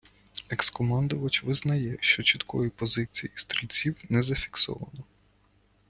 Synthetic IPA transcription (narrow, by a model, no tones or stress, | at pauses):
ekskɔmɑnd̪ʊʋɐt͡ʃʋɪznɐjɛʃt͡ʃɔt͡ʃit̪kɔjipɔzɪt͡sʲijist̪ɾʲilʲt͡sʲiwnɛzɐfʲi̥ksɔ̰ʋɐ̰nɔ